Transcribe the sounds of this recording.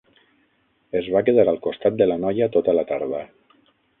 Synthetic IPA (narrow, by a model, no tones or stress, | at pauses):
ezβakeðaɾalˠkost̪at̪̚d̪əlanɔjat̪ot̪əlat̪aɾðə